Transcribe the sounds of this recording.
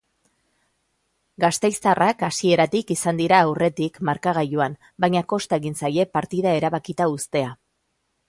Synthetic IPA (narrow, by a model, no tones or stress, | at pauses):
ɡast̪e̞jst̪arakasie̞ɾat̪ikisand̪iɾaːwre̞t̪ikmaɾkaɣ̞ajuam | bajɲako̞st̪ae̞ɣinsaje̞paɾt̪iðae̞ɾaβakit̪aust̪e̞a